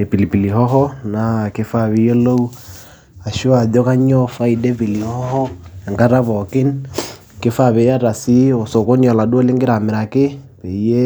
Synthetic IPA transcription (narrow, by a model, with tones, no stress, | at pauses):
e˨pi˨li˨pi˨li˨ɦɔ˦ɦɔ˦na˨˦ke˦fa˦˨βi˦jɛ˦lo˦u˦ | a˨ʃo˦a˨ðjɔ˦ka˦ɲɔ˦fa˦i˨dɛ˦pi˨li˨hɔ˦hɔ˦ɛ˨ŋka˦ta˦βɔ˨kɪ˦n | ke˦fa˦βe˨ja˦ta˨si˦o˨so˨ko˦niɔ˨la˨dwɔ˦le˦ŋɡe˦ɾa˨me˨ɾa˨ke˦pe˨˦je˦